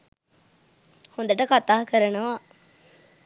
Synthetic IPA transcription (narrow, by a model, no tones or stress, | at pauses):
hond̪ɐʈːɐkɐt̪aːkɐɾɐnɐʋaː